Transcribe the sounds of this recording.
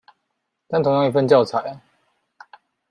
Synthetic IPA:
t̪a˥˩nt̪ʰŋjɑ˥ŋi˧˩fə˥˧nt͡ɕjɑ˥˨ʊt͡sʰa˨˩˦ɪ˦

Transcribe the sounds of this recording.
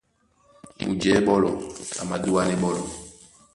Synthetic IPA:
ṵ˨d͡ʒɛ˨˦ɓɔ˦lɔ̰˨a̰˨ma̰˨du˦wa˦nɛ˦ɓɔ˦lɔ˨

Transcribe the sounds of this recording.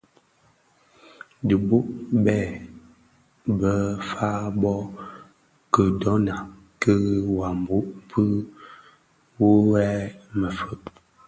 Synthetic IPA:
di˨bu˦ʔbɛ˦˨ | bə˦fa˦bɔ˦ | kə˨dɔ˨˦na˨ | kə˦wa˨m˨bu˦ʔpʰɨ˦ | wo˦wɛ˦mə˨fə˦p

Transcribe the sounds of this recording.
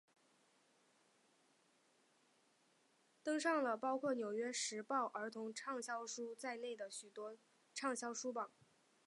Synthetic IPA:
t̪ɤ˥ŋʂɑ˥˩ŋlə˩pɑ˥ʊkʰwɔ˥˩njo˨˩ʊɥɛ˥ʂɻ̩˧˥pɑ˥˩ʊʔə˞˧˥t̪ʰʊ˧˥ŋʈ͡ʂʰɑ˥˩ŋɕjɑ˥ʊʂu˥t͡sa˥˧ɪne˥˩ɪd̪ə˩ɕy˨˩t̪wɔ˥ | ʈ͡ʂʰɑ˥˩ŋɕjɑ˥ʊʂu˥bɑ˨˩

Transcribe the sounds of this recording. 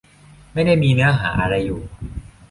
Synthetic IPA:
ma˥˩jda˥˩jmiː˧nɛː˦˥ɦa̰ː˩˦ʔa˧ɾa˧jːuː˨˩

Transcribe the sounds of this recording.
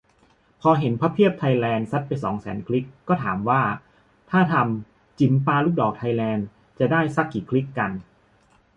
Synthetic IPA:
pʰɔː˧ɦe˩˦npʰa˦˥pʰi˥˩əp̚t̪ʰa˧jlɛː˧nsa˦˥t̪̚pa˧jsɔ̰ː˩˦ŋsɛː˩˦nkʰli˦˥kːɔː˥˩t̪ʰaː˩˦mwaː˥˩ | t̪ʰaː˥˩t̪ʰa˧m | t͡ɕi˨˩mpaː˧luː˥˩k̚dɔː˨˩k̚t̪ʰa˧jlɛː˧n | t͡ɕa˨˩daː˥˩jsa˦˥kːiː˨˩kʰli˦˥kːa˧n

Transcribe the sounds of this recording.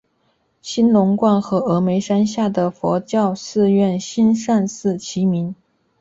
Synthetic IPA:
ɕi˥nlʊ˧˥ŋkwa˥˩nxɤ˧˥ɤ˧˥me˧˥ɪʂa˥nɕja˥˩d̪ə˩fwɔ˧˥t͡ɕjɑ˥˧ʊsɹ̩˥˧ɥɛ˥˩nɕi˥nʂa˥˧nsɹ̩˥˩t͡ɕʰi˧˥mi˧˥n

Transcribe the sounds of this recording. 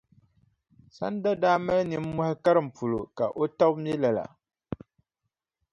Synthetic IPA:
sa̰˦nda˦daː˦ma˦lnɨ˨m̩ː˦ɔ˦hɪ˦ka˦ɾɨ˨m̩˨pu˨lo̰˨ka˨ʔo˦ta˦bm˦ɛ˦la˨la̰˨

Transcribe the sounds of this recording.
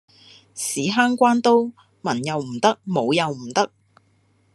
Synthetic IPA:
siː˨˥ɦaː˥ŋkʷaː˥nt̪o˥w | mɐ˨˩njɐ˨wm̩˨˩t̪ɐ˥k̚mo˨˧wjɐ˨wm̩˨˩t̪ɐ˥k̚

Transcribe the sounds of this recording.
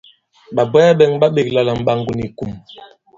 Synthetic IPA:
ɓa˨bɔ˦ja˦ɓɛ˨ŋba˦ɓe˨kla˨la˨m̩˨ɓa˨ŋɡu˨ni˨ku˨m

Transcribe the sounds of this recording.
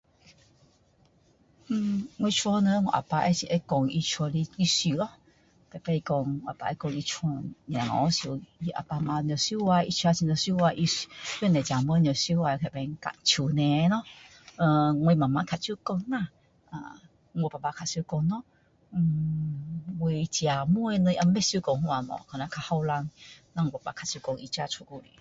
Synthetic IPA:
ŋʷwĩ˧t͡ʃʰwɔ˧nə̃˧˦ŋɔ̰̃˨ʔa̰˨pa˧ʔɛ˦si˨ʔe˦kɔ˧ŋi˧t͡ʃʰɔ˧li˧i˧su˧˨lɔ˦ | t̪a˨pe˦i˧kɔ˧ŋ˧˨a̰˨pa̰˧ɛ˦kɔ˧ŋi˧t͡ʃʰɔ̃˧ɲ̃˨˧˨ŋɔ̰̃˨˦sjo˨ji˧ʔa̰˨pa˧mã˧ɲ˧ɔ̃˨sju˦wa˧ʔi˧t͡ʃʰa˧t͡ɕi˧nɔ̃˨su˦wa˧ʔi˧˨ju˦nɛ̃˨t͡ɕa˨mə̃˦ɲ˧ɔ̃˨sju˦wa˧kʰɛ˨bɛ˧ŋka̰˧˨ʔt͡ɕʰu˨nɛ̃˨˦nɔ̃˦ | ə̃˧ŋ˧e˧mã˨mã˧˦kʰa˧˨t͡ʃu˧˦kɔ˧ŋnã˧˨ | a̰˧˨ | ŋ˧o˧˨pa˨pa˧kʰa˧˨su˧kɔ˧ŋnɔ̃˦˧ | we˧t͡ɕi˧a˨mũ˦e˧nɨ̃˧ʔa˧˦me˦su˧˦kɔ˧˨ŋhũ˧a˧˨mɔ̰˨kʰɔ˨nã˧˦kʰa˧ha˧wla˧ŋnã˧˨ŋo˧˨˩pa˨pa˧kʰa˧˨sjkɔ˧˨ŋi˧t͡ʃa˧t͡ʃʰu˧˨ko˧˨lḭ˨

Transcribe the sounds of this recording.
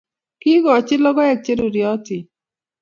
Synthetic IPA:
kɪ˦ɡɔ˨t͡ʃɪ˦lɔ˦ɡɔ˦ɛ˨k̚t͡ʃe˦ɾo˨ɾjɔ˦tɪ˨

